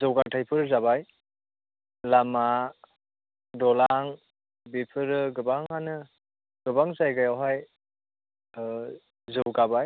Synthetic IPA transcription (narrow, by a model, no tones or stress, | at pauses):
zɯwɡatʰajpʰɯɾzaβaj | lama | dɔlaŋ | bipʰɯɾɯɡɯbaŋanɯ | ɡ̥ɯbaŋzajɡajawɦaj | zɯwɡabaj